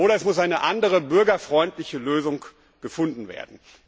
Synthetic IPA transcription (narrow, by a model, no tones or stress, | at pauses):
ʔoːɾɐɛsmʊsʔaɪnəʔandəʁəbʏɐɡɐfʁ̥ɔʏntlɪçəløːzʊŋ | ɡ̥əfʊndn̩vḛːɐdn̩